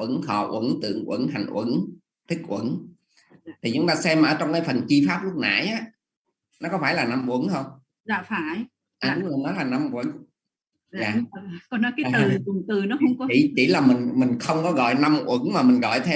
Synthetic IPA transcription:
wə˧˥nhɔ̰˧˨ʔwə̰˧˩˦nt̪ɨ̰˧˨əŋʔwə̰˧˥ŋɦa̰˨˧˨jŋ̟ʔwə̰˧˩˦n | t̪ʰï˦˥k̚ʔwə̰˧˦n | t̪ʰi˨˩ʊ˨˦ŋ͡mt̪aː˧sɛ˧mːa˨˩ʔəː˧˩t͡ɕɔ˧wŋ͡mkaː˨˦jfə˨˩nt͡ɕi˧faː˦˥p̚lʊ˦˥k͡p̚na̰ː˧˩˨jʔaː˨˦ | nɔ˨˦kɔ˨˦˥faː˧˩jlaː˨˩na˧mʔwə˧˦nhə˧wŋ͡m | za̰ː˧˨faː˧˩˦j | ʔaː˨˩˨ɗʊ˨˧˦ŋ͡mlə˨nɔ˨˦laː˨˩na˧mʔwə˧˦n | zaː˨˩kɔ˨˦nɔ˨˦jkaː˨˦˨ɨ˨˩ʊ˨˩ŋt̪ɨ˨˩nɔ˨˦xə˧wŋ͡mɔ˦t͡ɕḭ˧˩t͡ɕi˧˩laː˨˩mï˨˩ŋ̟mï˨˩ŋ̟xə˧wŋ͡mkɔ˨˦ɣɔ̰˧˨jna˧mʔwə˧˥nmaː˨˩mï˨˩ŋ̟ɣɔ̰˧˨jt̪ʰe˧

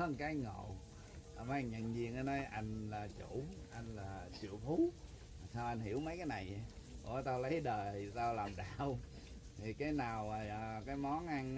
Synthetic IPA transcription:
ə˧nkaː˨˦jŋo̰˧˨ | ʔma˨˧˦ŋɲə̰˧˨nzi˧əŋʔa˨˦nɔ˨˦jʔa˧jŋ̟laː˨˩t͡ɕu˧˩˨ʔa˧jŋ̟laː˨˩sɨ̰˧˩˨əfu˨˦˨ | sa˧wʔa˧jn̟hi˧˩əwmə˨˦jkaː˨˦jna˨˩j | o̰˧˩˨t̪aː˧wlə˨˦jɗəː˨˩jtaː˧wlaː˨˩mɗaː˧˨˩w | t̪ʰi˨˩kaː˨˦jnaː˨˩waː˨˩˨kaː˨˦jmɔ˨˦nʔa˧n

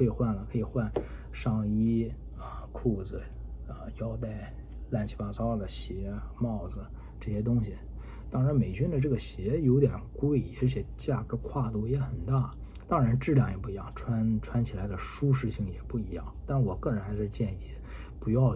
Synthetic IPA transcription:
kʰɤ˧˥i˨˩xwa˥˩nlə˩kʰɤ˧˥i˨˩xwa˥˧n | ʂɑ˥˩ŋi˥ | ə˧kʰu˥˩d͡zɹ̩˩ | ə˧˩jɑ˥˧ʊt̪a˥˧ɪ | la˥˩nt͡ɕʰi˧˥pa˥t͡sɑ˥˩d̪ə˩ɕjɛ˧˥mɑ˥˩ʊd͡z̩˩ | ʈ͡ʂɤ˥˩ɕjɛ˥t̪ʊ˥ŋɕi˨ | t̪ɑ˥ŋɻa˧˥nme˨˩ɪt͡ɕy˥nd̪ə˨ʈ͡ʂɤ˥˩ɡə˩ɕjɛ˧˥jo˧˥ʊt̪̬jɛ˨˩nkwe˥˩ɪɛ̰˧˥t͡ɕʰjɛ˨˩t͡ɕja˥˩kɤ˧˥kʰwa˥˩t̪u˥˩jɛ˧˥xə˨˩nt̪a˥˩ | t̪ɑ˥ŋɻa˧˥nʈ͡ʂɻ̩˥˧ljɑ˥˩ŋjɛ˨˩p̬u˥˩i˧˥jɑ˥˩ŋʈ͡ʂʰwa˥nʈ͡ʂʰwa˥nt͡ɕʰi˨˩la˧˥ɪd̪ə˧ʂu˥ʂ̬ɻ̩˥˧ɕi˥˩ŋjɛ˨˩pu˥˩i˧˥jɑ˥˩ŋt̪a˥˩nwɔ˨˩kɤ˥˩ɻə˧˥nxa˧˥ɪʂɻ̩˥˧t͡ɕjɛ˥˧ni˥˩ | pu˧˥jɑ˥˧ʊ

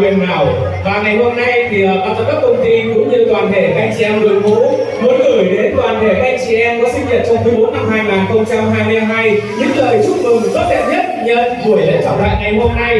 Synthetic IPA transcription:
i˨˩ənnaː˨˩w | vaː˨˩ŋa˨˩jɦo˧mna˧jt̪ʰi˨˩ʔə˨˩ɓaː˨˩wt̪a˧˩kaː˦˥kə˧wŋ͡mt̪i˧kʊ̰˧˥ŋ͡mɲɨ˧kwaː˨˩nt̪ʰe˧˩a˧˩ʔa˧jŋ̟t͡ɕi˨ʔɛ˧mɗɨ˨˩əmṵ˧˥mu˨˦nɣɨ˧˩jɗe˨˦nkwaː˨˩nt̪ʰe˧˩kaː˨˦˥ʔaː˧jŋt͡ɕi˨˩ʔɛ˧mkɔː˨˦sï˧ŋ̟zə˨˩t̚t͡ɕɔ˧wŋ͡mt̪ɨː˧˦jmɓo˨˦˥n̚na˧mhaː˧jŋaː˨˩nxə˧wŋ͡mt͡ɕa˧mɦaː˧jmɨ˧haː˧mɦaː˧jɲɨ̰˧˥ŋləː˨˩jt͡ɕʊ˦˥t̚mɨ˨˩ŋ˨˩sə˦˥t̪̚ɛ̰˧˨n̚ɲə˦˥t̚ɲə˧nɓu˧˩əjlə̰˧˥t͡ɕɔ̰˧˩ŋ͡mɗla̰ː˧˨jŋa˨˩jɦo˧mna˧j

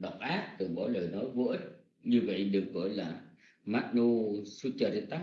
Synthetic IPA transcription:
ɗə˨˩wk͡p̚ʔaː˦˥t̚t̪ɨ˨˩ŋɓɔ˧˦ləː˨˩jnɔ˨˦jvə̰˧˥ət̚ | ɲɨ˧və̰˧˨jɗɨ˨˩ək̚ɣɔ˧˩˦jlaː˨˩ | maː˦˥t̚no˧su˧t͡ɕəː˨˩zi˧˨t̪aː˦˥

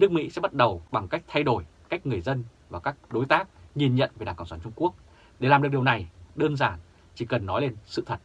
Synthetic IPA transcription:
nɨ˦˥ək̚mḭ˧˥sɛ̰˧˥ɓa˦˥t̚ɗə˨˩wɓa˨˩ŋka˦˥jk̚t̪ʰa˧jɗo˧˩jka˦˥jk̟̚ŋɨ˨˩əjzə˧nvaː˨˩kaː˦˥k̚ɗo˨˦jt̪aː˦˥k̚ŋi˨˩nɲə̰˧˨nve˨˦ɗaː˨˩kə˧˩ŋ͡msaː˧˩t͡ɕʊ˧ŋ͡mku˦˥ək̚ | ɗe˧˩laː˨˩mɗɨ˨˩k̚ɗəwna˨˩jɗəː˧nzaː˧˩n | t͡ɕi˧˩kə˨˩nːɔ˨˦jle˧nsɨ̰˧˨t̪ʰə˨˩t̚

